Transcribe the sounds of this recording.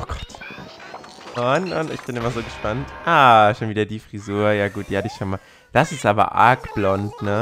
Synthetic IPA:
ʔʔoːɡ̥ɔ̥t | ʔɔnʔɔnɪçb̥ɪnʔɪmazoːɡəʃpantʔaːʃoːnviːdɐdiːfʁ̥izuːɐjaːɡuːt̚d̥iːhatɪçʃonma | d̥asɪstʔaːbɐ̰ʔa̰ɐkb̥lɔntnə

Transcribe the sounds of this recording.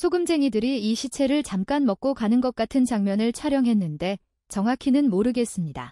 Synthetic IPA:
sʰoɡɯmd͡ʑe̞ŋidɯɾiiɕʰit͡ɕʰe̞ɾɯɭt͡ɕamk͈anmʌk͈okanɯnɡʌk̚k͈atʰɯnt͡ɕaŋmjʌnɯɭt͡ɕʰaɾjʌŋɦe̞nːɯnde̞ | t͡ɕʌŋɦakʰinɯnmoɾɯɡe̞s͈ɯmɲida̰

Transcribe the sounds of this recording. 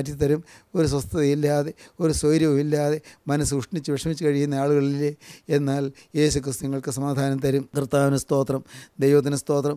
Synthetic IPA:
t̬ːjit̪ɐɾumo̞ɾuswɐst̪ʰɐðɐjilːaːðe̞o̞ɾuswojɾjɐʋumilːaːðe̞mɐnɐs̬ɨuʂɳit͡ɕːɨʋeʂɐmit͡ɕːɨkɐɻikːunːɐaːɭuɣɐɭileenːaːl | je̞ːsukrɨst̪uniŋːɐɭkɨsɐmaːd̪ʱaːnɐmt̪ɐɾumkrɨt̪ːaːʋɐnɐst̪o̞ːt̪rɐmd̪ejʋɐt̪̬ːinɐst̪o̞ːt̪rɐm

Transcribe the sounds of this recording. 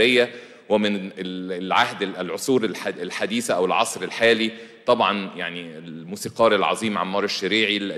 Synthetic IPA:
ejːæ | wɪmɪnelʕa̰hd̪lʕosˤuːɾlħad̪iːsʔæwɪlʕɑ̰sˤɾelħaːlit̪ˤɑbʕɑnja̰ʕnielmuːsiːqɑːɾelʕɑ̰zˤiːmʕɑ̰mːɑːɾˤeʃːæɾiːʕi

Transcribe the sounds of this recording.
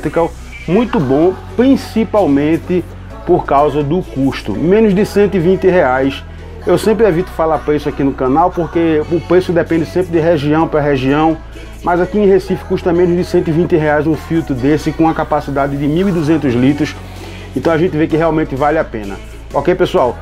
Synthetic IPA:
t̪ɾikaw | mũj̃t̪ʊbõpɾĩsipawmẽnt̪ɪ | poɾkawzɐd̪ʊkuʃt̪ʊ̰mẽnʊzd̪ɪsẽnt̪ʊɪvĩnt̪ɪɦeajs | ewsẽmpɾɪevit̪ʊ̥falaɾpɾeisʊakinʊkɐ̃nawpoɾkeʊpɾesʊd̪ɛpẽnd̪ɪsẽmpɾɪd̪ɪɦeʒiɐ̃w̃pɾɐɦeʒiɐ̃w̃ | mɐzakiẽɦesifɪ̥kuʃt̪ɐmẽnʊzd̪ɪsẽnt̪ʊivĩnt̪ɪɦeajzũfiwt̪ɾʊd̪esɪkõɐkapasid̪ad̪ɪd̪ɪmiwid̪uzẽnt̪ʊzlit̪ɾʊs | ẽt̪ɐ̃w̃aʒẽnt̪ɪvekɪɦɛaw̃mẽnt̪ɪvalɪapẽnɐ̰ | okejpesuaw

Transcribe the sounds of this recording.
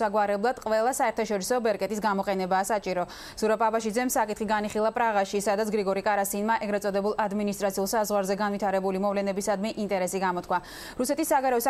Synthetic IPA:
aɡwaɾɛblˠad̪̥qʼvɛlˠasaɛɾt̪ʰaʃɔɾisɔbɛɾkʼɛt̪ʼisɡamɔqʼɛnɛbaːsat͡ʃʼiɾɔ | z̥uɾapʼabaʃid̪zɛmsakʼit̪χiɡaniχilˠapʼɾaʁaʃisad̪at̪sʰɡɾiɡɔɾikʼaɾasinmaʔɛɡɾɛt̪sʼɔd̪ɛbulˠad̪minist̪ʼɾat̪sʰiulˠsazʁwaɾzɛɡanvit̪ʰaɾɛbulimɔvlɛnɛbisad̪miʔint̪ʼɛɾɛsiɡamɔt̪kʰwa | ɾusɛt̪ʰisːaɡaɾɛɔsa

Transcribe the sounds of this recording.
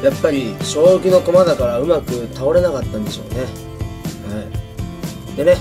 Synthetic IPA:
japːaɾʲiɕo̞ːɯkʲɯ̟no̞ko̞mad̪akaɾaɯ̟makɯ̟t̪ʰao̞ɾe̞nakat̪ːãnd̪e̞ɕo̞̰ːne̞ | hai | d̪e̞ne

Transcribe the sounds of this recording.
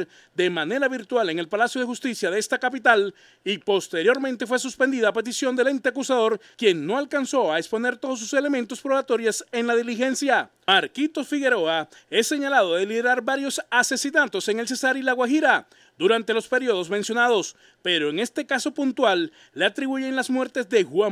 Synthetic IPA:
ɾ | d̪e̞mane̞ɾaβiɾt̪wale̞ŋe̞lpalasjo̞ð̞e̞xust̪isjaðeest̪akapit̪al | ipo̞st̪e̞ɾjo̞ɾmẽ̞nt̪e̞fwe̞s̬uspe̞nd̪iðape̞t̪̬isjo̞nd̪elent̪eakusaðo̞ɾkje̞ŋno̞alkanso̞aekspo̞ne̞ɾt̪o̞ðos̬u̥se̞le̞mẽnt̪o̞spɾo̞βat̪o̞ɾjase̞nlaðilixe̞nsja | maɾkit̪o̞fiɣe̞ɾo̞a | e̞sːe̞ɲalaðo̞ðe̞liðe̞ɾaɾbaɾjo̞sase̞sinat̪o̞se̞ŋe̞ls̬e̞saɾilaɣwaxiɾa | d̪uɾant̪e̞lo̞spe̞ɾio̞ðo̞zmensjo̞naðo̞s | pe̞ɾo̞eŋe̞st̪e̞kaso̞punt̪walː | eat̪ɾiβuʝeenlasmwe̞ɾt̪e̞zðe̞xwa

